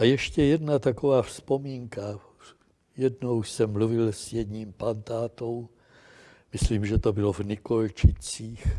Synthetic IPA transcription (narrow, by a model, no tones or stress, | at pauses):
ʔajɛʃcɛjɛdnat̪akovaːfspo̞miːŋka | jɛdnowsɛmːluvɪlsjɛd̪ɲiːmpant̪aːt̪o̞w | mɪsliːmʒɛt̪obɪlovnɪkolt͡ʃɪt͡siːx